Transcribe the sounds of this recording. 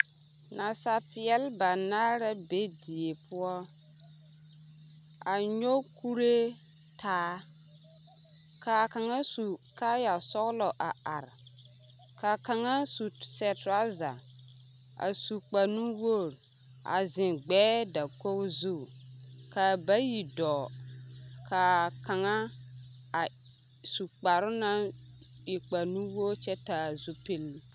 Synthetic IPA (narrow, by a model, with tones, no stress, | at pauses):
na˨sa˦pɪ˨ɛ˦lba˨naː˦ɾa˦be˦di˨e˨pʰʊ˦ɔ˦ | a˨ɲo˦ku˦ɾe˦ | tʰaː˦ | ka˨ka˨ŋa˦su˨ka˦ja˨sɔ˦ɣlɔ˨ʔa˨a˨ɾ | ka˨ka˨ŋa˦su˨sɛ˨tɾa˦za˨ | a̰˨su˨k͡pa˨nu˦woː˦˨ɾ | a̰˨zɪ̃˨nɡ͡bɛː˦da˨ko˦kzu˦˨ka˨ba˦ji˨dɔː˨ | kʰa˨ka˨ŋa˦ | a˨ | su˨k͡pa˨ɾʊ˦na˦ | ɪ˨k͡pa˨nũ˦wo˦ɾt͡ʃɛ˦ta˨zu˦pe˦l